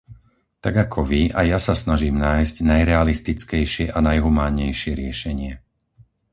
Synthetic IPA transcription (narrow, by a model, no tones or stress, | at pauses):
t̪aɡakʰɔʋia̰jasasnaʒiːmnaːjzɟnajɾɛalist̪it͡skɛjʃɪɛʔanajɦumaːɲːɛjʃɪɛɾɪɛʃɛɲɪɛ